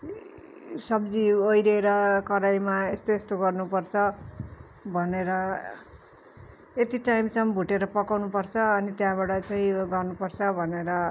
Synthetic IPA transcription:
sʌb̚d͡ziojɾeɾʌkʌɾajmaest̪oest̪oɡʌrnupʌrt͡sʰʌ | bʱʌneɾʌ | et̪iʈajmsʌmbʱuʈeɾʌpʌkawnupʌrt͡sʰʌːnit̪jãbaɽʌt͡saĩɡʌrnupʌrt͡sʰʌbʱʌneɾʌ

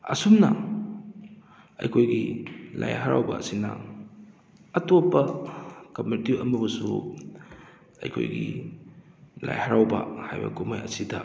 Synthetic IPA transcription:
ɐsumnɐ | ɐjkʰojɡilajɦɐɾa̰wbɐːsinɐ | ɐtopːɐkɐmitiʔɐmɐbɐsu | ɐ̰jkʰo̰jɡi | lajhɐɾawbɐhajbɐkumajɐsidɐ

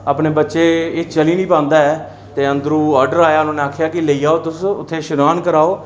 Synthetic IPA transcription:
əːpneːbətːʃeːet͡ʃəliːnĩːpãːnd̪aːɛː | t̪eːənd̪ɾũːɔːɾɖəɾaːjaːʊnãːneaːkʰjaːkɪləiːaːoːt̪ʊsʊ̰t̪ʰːeːʃʊnaːnkəɾaːoː

